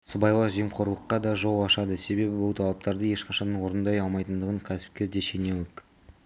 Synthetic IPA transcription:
səbɑjlˠɑʒijmqʰoɾlˠəqːɑd̪ɑʒo̞lˠɑʃɑd̪əse̞be̞bɪbʊlˠt̪ʰɑlˠɑp̚t̪ɑɾd̪əje̞ʃqɑʃɑnəwo̞ɾənd̪ɑjɑlˠmɑjt̪ənd̪əʁəɴkʲʰæsɪ̥p̚kʲe̞ɾd̪e̞ʃe̞newɪk

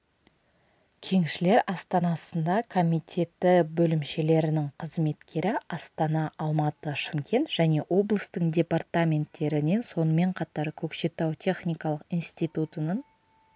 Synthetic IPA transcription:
kʲʰe̞ŋʃɪle̞ɾɑst̪ɑnɑsənd̪ɑkʰo̞mʲit̪ʲʰe̞t̪ːɪbɵlɪmʃe̞le̞ɾɪnɪŋqʰəzme̞t̪kʲʰe̞ɾɪɑst̪ɑnɑɑlˠmɑt̪əʃɪmkʲʰe̞nt̪ʒ̥æne̞wo̞blˠəst̪əɴdʲe̞part̪amʲe̞nt̪ːe̞ɾɪne̞nso̞nəme̞ɴqʰɑt̪ɑɾkʲʰɵkʃe̞t̪æwt̪ʲʰe̞χnʲijkɑlˠəqijnst̪ijt̪ut̪ənəɴ

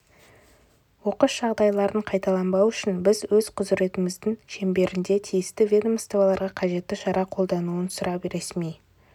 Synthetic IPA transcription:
wo̞qəʃʒ̥ɑʁd̪ɑjlˠɑɾəɴqʰɑjt̪ɑlˠɑmbɑwʏʃɪnbɪzwɵzqʰʊzɪɾe̞t̪ɪmɪzd̪ɪŋʃe̞mbe̞ɾɪnd̪e̞t̪ʰijɪst̪ɪvʲed̪omst̪ovɑlˠɑɾʁɑqʰɑʒe̞t̪ːɪʃɑɾʔɑqʰolˠd̪ɑnuənsʊɾʔɑbeɾesmej

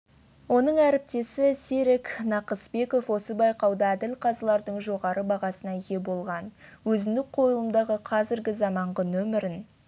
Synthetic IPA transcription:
wo̞nəɴæɾɪp̚t̪e̞sɪseɾeknɑqəsbe̞ko̞fwo̞səbɑjqɑwd̪ɑæd̪ɪlqʰɑzəlˠɑɾd̪əɴʒo̞ʁɑɾəbɑʁɑsənɑje̞bo̞lˠʁɑnwɵzɪnd̪ɪk̚qʰo̞jəlˠəmd̪ɑʁəqʰɑzɪɾɡʲɪzɑmɑɴʁənɵmɪɾɪn

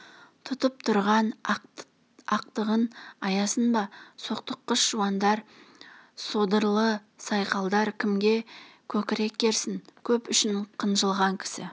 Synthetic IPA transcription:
t̪ʰʊt̪əp̚t̪ʰʊɾʁɑn | ɑq̚t̪əʁənɑjɑsənbɑso̞q̚t̪əqːəʃːuwɑnd̪ɑɾ | sod̪əɾlˠə | sɑjqɑlˠd̪ɑɾkʲʰɪmɡʲe̞kʲʰɵkʲɪɾe̞k̚ʲːe̞ɾsɪŋkʲʰɵpʏʃɪɴqʰənʒəlˠʁɑŋkʲʰɪ̥sɪ̰

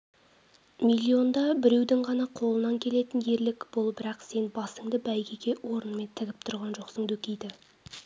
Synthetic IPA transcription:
mʲilʲːio̞nd̪ɑbɪɾe̞wd̪ɪŋʁɑnɑqʰo̞lˠənɑŋkʲʰe̞le̞t̪ɪnje̞ɾlɪkb̥olˠbɪɾɑqse̞nbɑsəŋd̪əbæjɡʲeɡʲe̞wo̞ɾənme̞nt̪ʰɪɡʲɪp̚t̪ʰʊɾʁɑnʒo̞qsəɴd̪ɵkʲejd̪ɪ

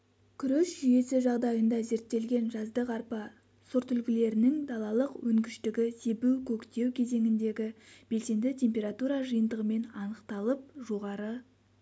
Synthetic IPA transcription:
kʲʰʏɾeʃʒʏje̞sɪʒɑʁd̪ɑjənd̪ɑze̞ɾt̪ːe̞lɡʲe̞nʒɑzd̪əqɑɾpɑ | soɾt̪ʏlɡʲɪle̞ɾɪnɪŋd̪ɑlˠɑlˠəqwɵŋɡʲɪʃt̪ɪɡʲɪse̞buwkʲʰɵkt̪e̞wkʲʰe̞ze̞ŋɪnd̪e̞ɡʲɪb̥e̞lse̞nd̪ɪt̪ʲʰe̞mpʲe̞ɾat̪uɾɑʒɨjənd̪əʁəme̞nɑnəqt̪ɑlˠəp̚ʒo̞ʁɑɾə

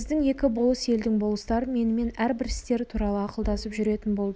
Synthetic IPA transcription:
zd̪ɪŋje̞kʲɪbolˠəse̞ld̪ɪŋbolˠəst̪ɑɾəme̞nɪme̞næɾbɪɾɪst̪e̞ɾt̪ʰuɾɑlˠəɑqəlˠd̪ɑsəpʒʏɾe̞t̪ɪnbo̞lˠd̪ə

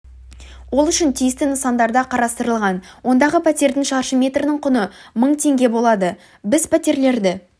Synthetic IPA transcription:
wo̞lˠʏʃɪnt̪ʰijɪst̪ɪnəsɑnd̪ɑɾd̪ɑqʰɑɾɑst̪əɾəlˠʁɑnwo̞nd̪ɑʁəpʰæt̪e̞ɾd̪ɪŋʃɑɾʃəmʲe̞t̪rɪnɪŋqʰʊnəməɴt̪ʰe̞ŋɡʲe̞bo̞lˠɑd̪ə | bɪzpʰæt̪e̞ɾle̞ɾd̪ɪ

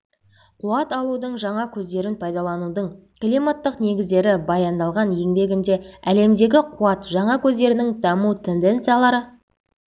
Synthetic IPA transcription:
qʰuɑt̪ɑlˠud̪əɴʒɑɴɑkʲʰɵzd̪e̞ɾɪnpʰɑjd̪ɑlˠɑnud̪əɴ | klimat̪ːəqne̞ɡʲɪzd̪e̞ɾɪbɑjɑnd̪ɑlˠʁɑnje̞ŋbe̞ɡʲɪnd̪e̞æle̞md̪e̞ɡʲɪqʰuɑt̪ʒɑɴɑkʲʰɵzd̪e̞ɾɪnɪŋd̪ɑmut̪ʰe̞nd̪e̞nt̪sɨjalˠɑɾə

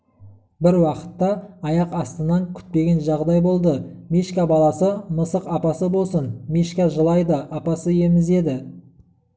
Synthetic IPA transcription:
bɪɾwɑqə̥t̪ːɑɑjɑqɑst̪ənɑŋkʲʰʏ̥t̪̚pe̞ɡʲe̞nʒɑʁd̪ɑjbo̞lˠd̪əmiʃkʲabɑlˠɑsəməsəqɑpɑsəbo̞lˠsənmiʃkʲɑʒəlˠɑjd̪əʔɑpɑsəje̞mɪze̞d̪ɪ

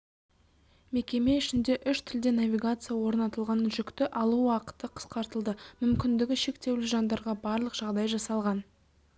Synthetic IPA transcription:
me̞kʲe̞me̞ʏʃɪnd̪e̞ʔʏʃt̪ʰɪld̪e̞navʲijɡat̪sɨjɑwo̞ɾnɑt̪əlˠʁɑnʒʏkt̪ɪʔɑlˠuwɑqə̥t̪əqʰə̥sqɑɾt̪əlˠd̪əmʏmkʲɪnd̪ɪɡʲɪʃe̞kt̪e̞wlɪʒɑnd̪ɑɾʁɑbɑɾlˠəqʒ̥ɑʁd̪ɑjʒɑsɑlˠʁɑn

